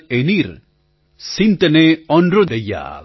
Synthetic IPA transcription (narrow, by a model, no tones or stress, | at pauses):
eniɾ | sint̪ɐneɔnɾod̪ɐja̰